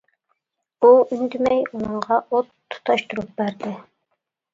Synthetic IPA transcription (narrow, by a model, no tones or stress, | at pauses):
buʔynd̪ɪmɛjunɨɴʁɑʔot̪ʰːu̥t̪ʰɑʃt̪uɾup̚bæɾd̪ɪ